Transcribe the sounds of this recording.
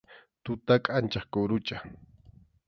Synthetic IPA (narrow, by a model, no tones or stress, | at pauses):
t̪ʊt̪akʼant͡ʃaχkʊɾʊt͡ʃa